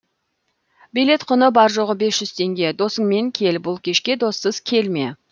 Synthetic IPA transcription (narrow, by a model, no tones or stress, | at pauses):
bijle̞t̪qʰʊnəbɑɾʒo̞ʁəbe̞sʒ̥ʏz̥t̪ʰe̞ŋɡʲe̞d̪o̞səɴme̞ŋkʲʰe̞lbʊlˠkʲʰe̞ʃkʲe̞d̪o̞sːəzkʲʰe̞lme̞̰